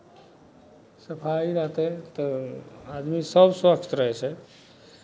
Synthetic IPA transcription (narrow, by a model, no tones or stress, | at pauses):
səpʰaiɾəɦt̪ɛt̪ɔad̪misəbswəkt̪ɾəɦɛt͡ʃʰɛ